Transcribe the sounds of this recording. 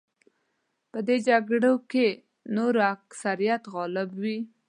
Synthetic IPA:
pəd̪ed͡ʒaɡɽoke | noɾoaksaɾijat̪ɣɑlɪbwi

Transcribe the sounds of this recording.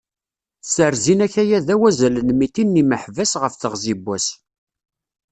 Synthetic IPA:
səɾzinæçæjæðæwæzælənmit̪inːiməħvæsʁəfθəʁzibːæs

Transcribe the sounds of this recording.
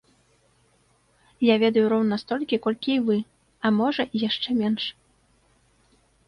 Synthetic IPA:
javʲɛd̪ɐjuɾɔwnɐst̪ɔlʲkʲikɔlʲkʲiivɨ | ɐmɔʐɐijaʂt͡ʂɛmʲɛnʂ

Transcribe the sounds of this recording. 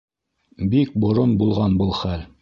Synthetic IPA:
bik̚bŏɾonbulˠʁɑnbɤlˠχæl

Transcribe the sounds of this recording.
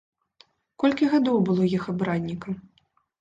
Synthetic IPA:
kɔlʲkʲiɣad̪ɔwbɨlˠɔjixabɾad̪ʲnʲikɐ

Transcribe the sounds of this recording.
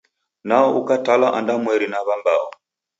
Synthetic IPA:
naɔukatalaʔandamwɛɾinaβamba̰ɔ̰

